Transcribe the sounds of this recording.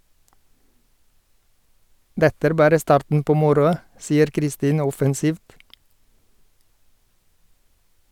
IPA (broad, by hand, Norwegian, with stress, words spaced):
ˈdɛtə ˈæːɾ ˈbɑːɾə ˈstɑːɾtn̩ ˈpoː ˈmʊɾʊɑ ˈsiːəɾ kɾɪˈstiːnə ˈɔfɛnˌsiːft